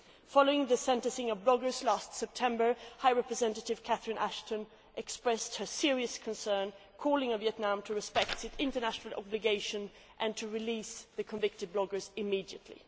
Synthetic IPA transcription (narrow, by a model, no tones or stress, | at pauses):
fɑlˠoʊɪ̃ŋðɨsɛ̃ntɨ̃sɪ̃ŋʌvblɔɡə˞zlæstsɛp̚tʰɛ̃mbə˞haɪɹɛpɹɨzɛ̃ntɨɾɨv̥kʰæθɹɨ̃nʔæʃtɨ̃n | ʔɛkspɹɛst̚hə˞sɪɹiɨskʰə̃nsɜ̃˞nkʰɔlˠɪ̃ŋɨviɛtⁿnãmtʰɨɹɨspɛk̚tsɨtɪ̃ntə˞næʃnl̩ˠɑ̰blɨɡeɪʃɨ̃n | ʔɨ̃ntʰɨɹɨlisðɨkʰə̃ɱvɪk̚tɨd̚blɔɡə˞zɨmidiɨ̰tʰˡlḭ